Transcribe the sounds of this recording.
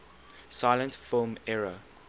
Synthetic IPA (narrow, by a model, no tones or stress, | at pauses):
saɪlə̃ntfɪlmɛɹə